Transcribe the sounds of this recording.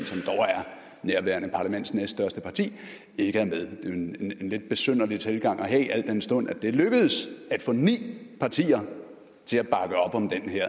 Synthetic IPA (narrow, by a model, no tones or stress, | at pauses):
sɒ̽md̥ɒʊæɐ | neɐʋæɐnəpʰɑ̈læmen̰d̥snesd̥sd̥ɶɐsd̥əpʰɑ̈t͡sʰḭː | e̝ɡ̥əæɐmeðˠd̥e̝enenle̝d̥̚b̥e̝søn̰ɐlit͡sʰe̝lɡ̥ɑ̈ŋ̰ɒ̽ɦɛ̰ʔæl̰d̥ensd̥ɔ̽n̰æd̥e̝æløɡ̥əð̩ˠsæd̥fɔ̰̽ːnḭːpʰɑ̈t͡sʰḭːɐ | t͡sʰe̝læb̥ɑ̈ɡ̥əɒ̽b̥ɒ̽md̥enɦæɐ̰